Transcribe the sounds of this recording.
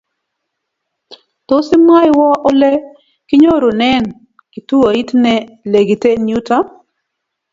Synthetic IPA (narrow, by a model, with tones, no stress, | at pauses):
to˦sɪ˦ma˦jwɔ˦ʔɔ˦lɛ˦ | kɪ˦ɲo˦ɾo˨nɛ˦n | ki˨tu˦o˨i˦tnɛ˦ | le˨ɡi˨te˦nju˦ta˦